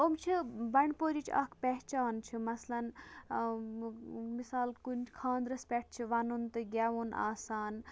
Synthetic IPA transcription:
omt͡ʃʰibɐɳpoːɾit͡ʃʰɐ̰kʰpʲɛɦt͡ʃaːnt͡ʃʰimɐslɐn | misaːlkunt͡ʃʰkʰãːnd̪ɾɐspʲɛʈ̚ʰt͡ʃʰiʋɐnunt̪ɨɡʲaʋunʔa̰ːsaːn

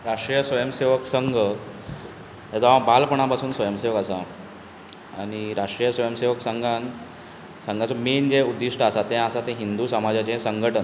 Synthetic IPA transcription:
ɾaʂʈɾijəsʋəjəmseʋəksəŋɡʱ | ed͡z̪aãbalpəɳ̃apasuːnsʋəjəmseʋəkasa̰ | aɽ̃iɾaʂʈɾijəsʋəjəmseʋəksəŋɡʱan | sə̃ŋɡʱat͡sɔmend͡ʑeud̪ːiʂʈəasat̪ɛ̃asat̪ɛ̃ɦind̪usamad͡ʑjat͡ɕẽsəŋɡʱəʈən

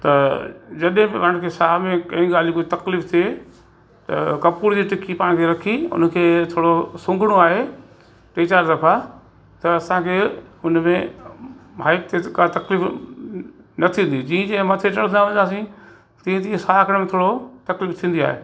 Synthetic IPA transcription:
t̪ɐd͡ʑɐɗɦɪ̃ɪʋɐɽ̃kʰeːsaːmẽkɐ̃ĩːɡaːlikoːit̪ɐkliːft̪ʰie | t̪ɐ̰kɐpuːɾd͡ʑiːʈɪkipaːɽ̃kʰeːɾɐkʰiʊ̰n̆kʰeːt̪ʰoːɽosʊ̃ŋɡʱɽ̃oaːɦe | ʈeːt͡ɕaːɾd̪ɐfa | t̪ɐɐsãkʰeːʊnmẽ | baːɪk̚t̪ʰekat̪ɐkliːf | nɐt̪ʰĩn̆d̪id͡ʑĩːə̃d͡ʑɐ̃ɦɪ̃mɐt̪ʰet͡ɕɐɽ̤̃nãʋɐ̃ɲ̃d̪aːs̬ĩ | t̪ĩːẽt̪ĩːsaːkʰəɽ̃mẽt̪ʰoːɽot̪ɐkliːft̪ʰĩːnd̪ia̰ːɦḛː

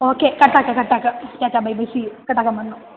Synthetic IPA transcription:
oːkːekɐʈːakːekɐʈːaːkːɐt͡ɕaːt͡ɕːaːbɐjbɐsijkɐʈːakːɐmɐnːu

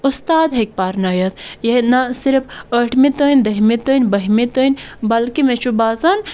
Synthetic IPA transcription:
ust̪aːd̪ɦek̚paɾnajɐt̪ʰjɐinɐsiɾfʰəʈʰmit̪ənʲd̪ɐɦmit̪ənʲbɐɦmit̪ənʲbɐlkimet͡ʃʰubaːzɐn

